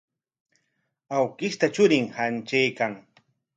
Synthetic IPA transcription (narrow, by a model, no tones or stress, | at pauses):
awkɪst̪at͡ʃʊɾɪŋhant͡ʃajkaŋ